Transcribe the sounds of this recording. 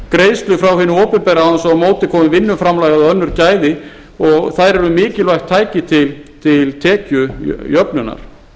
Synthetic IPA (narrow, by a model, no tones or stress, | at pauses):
kɾeːjst̪lʏfɾawhɪnʏɔːpɪnpɛɾaansawmoːwt̪ɪkʰɔːmʏvɪnːʏmfɾamlajɣaðʏœnːʏɾcaːjðɪ | ɔɣθajɾɛɾʏmɪːcɪlvajht̪ʰːaːjcɪt̪ʰɪlt̪ʰɪlt̪ʰɛːcʏ̰jœpnʏnːa̰ɾ̥